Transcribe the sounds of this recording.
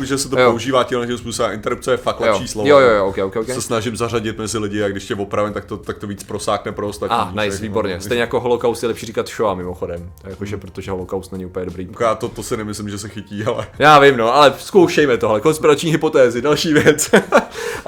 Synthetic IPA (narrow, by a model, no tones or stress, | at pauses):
ʒɛsɛt̪̬ojpoouʒiːvaːcɪmnɛʃɪmspuːsobɛmɪnt̪ɛɾup̚t͡sɛjɛfakt̪lɛjoʃiːslojojojoʔowkɛjowkɛjowkɛsɛsnaʒɪmzaraɟɪt̪mɛzɪlɪɟɪaɡdɪʃtɛɛvopɾavɛnt̪ak̚t̪ot̪ak̚t̪oviːt͡spɾosaːknɛpɾoost̪atainajviːbo̞ɾɲɛst̪ɛjɲɛjakoɦolokawst̪jɛlɛpʃiːrikat̪ʃoamɪmoxodɛmjakoʒɛpɾot̪oʒɛɦolokawst̪nɛɲɪupl̩ɲɛdobɾiːkjaːt̪ot̪osɪnɛmɪslɪmʒɛsɛxɪciːalɛjaːvɪmnoʔalɛsko̞wʃɛjmɛt̪oɦlɛko̞nspɪɾat͡ʃɲiːɦɪpo̞t̪ɛːzɪdalʃiːvjɛt͡s